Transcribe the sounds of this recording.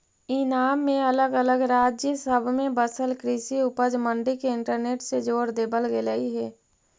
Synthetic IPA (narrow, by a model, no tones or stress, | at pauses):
inaːmːẽələɡələɡɾaːd͡ʒjəsəbʱmẽbəsəlkɾɪsiʊpəd͡ʒmə̃ɳɖikeɪ̃ɳʈəɾneːʈsed͡ʒoːɾd̪eːbəlɡeləiɦɛː